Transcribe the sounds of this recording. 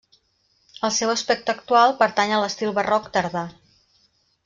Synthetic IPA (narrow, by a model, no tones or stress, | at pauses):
əlˠsɛwəspɛk̚t̪əəkt̪ualˠpəɾt̪aɲələst̪ilˠβərɔkt̪əɾða